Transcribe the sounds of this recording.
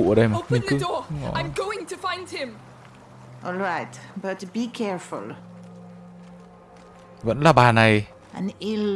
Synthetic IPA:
əɗəjmaoʊpmĩŋnkɨdɔɔ̰ãɪ̃mɡoʊɪ̃ŋtʰəfãɪ̃nd̥̚ɪ̃m | ʔɔlɹaɪtb̥ʌt̚bikʰɛɹfʊ̰lˠ | və̰nlaːɓaːnaj | ʔɨ̃nɪl

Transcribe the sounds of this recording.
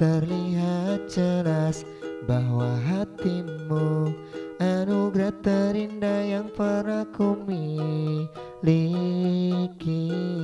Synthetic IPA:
t̪ərliɦat̪̚d͡ʒəlas | baɦwaɦat̪imu | ʔanuɡɾat̪aɾindajaŋpəɾakumi | li | ki

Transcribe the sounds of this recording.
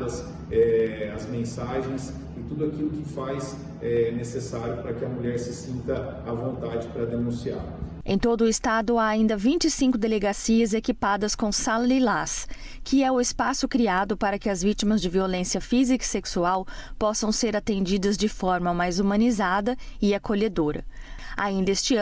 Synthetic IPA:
ɐs | ɛɐzmẽsaʒẽj̃s | ɪt̪ud̪ʊakilʊkɪfajs | ɛnesesaɾjʊpɾɐkɪɐmuʎɛɾsɪsĩnt̪ɐː | võnt̪ad͡ʒɪpɾɐd̪enũsia̰ | ẽj̃t̪od̪ʊɪst̪ad̪ʊaːĩnd̪ɐvĩnt͡ʃɪɪsĩŋkʊd̪eleɡasiɐzekipad̪ɐskõsalilas | kʰɪɛʊɪspasʊkɾiad̪ʊpaɾɐkɪɐzvit͡ʃimɐzd͡ʒɪviolẽsjɐfizikɐi̥seksuawpɔsɐ̃w̃seɾat̪ẽnd͡ʒid̪ɐzd͡ʒɪfɔɾmɐmajzumɐ̃nizad̪ɐɪakoʎed̪oɾɐ̰ | a̰ĩnd̪ɐest͡ʃɪ

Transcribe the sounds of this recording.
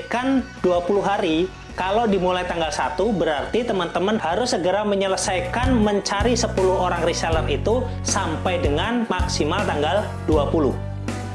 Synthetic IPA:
kanduapulʊɦaɾi | kalowdimulajt̪aŋɡalsat̪ubəɾart̪it̪əmant̪əmənhaɾʊsːəɡəɾaməɲələsajkanməɲt͡ʃaɾisəpulʊhoɾaŋrisɛlərit̪u | sampajdəŋanmaksimalt̪aŋɡal | duapulʊ̰h

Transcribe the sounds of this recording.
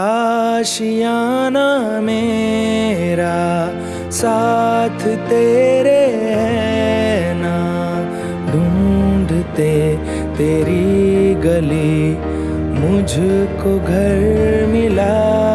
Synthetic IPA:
aʃijaname | ɾa | saːt̪ʰt̪eɾeɦɛ | na | ɖʱũɳɖʱt̪e | t̪eːɾiɡɐli | mʊd͡ʒʱkoɡʱɐɾmɪla

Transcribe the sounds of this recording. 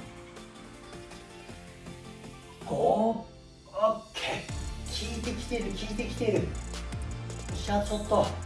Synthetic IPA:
ko | okʰːekʲʰiit̪ekʰʲi̥t̪eɾɯkʰʲiit̪ekʲi̥t̪eɾɯ | ɕat͡sʰot̪ːo

